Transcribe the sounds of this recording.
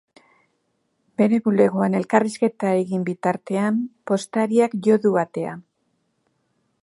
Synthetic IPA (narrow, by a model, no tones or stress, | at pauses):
be̞ɾe̞ɣule̞ɣ̞oane̞lkariske̞t̪aeɣimbit̪aɾt̪e̞ampo̞st̪aɾiakʝo̞ðuβat̪e̞a̰